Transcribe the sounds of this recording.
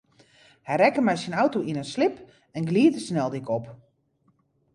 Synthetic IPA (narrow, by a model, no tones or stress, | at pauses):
hɛjrɛkəmɛjsinawtoʔinənslɪp | ɛnɡliətəsnɛlˠdɪkɔp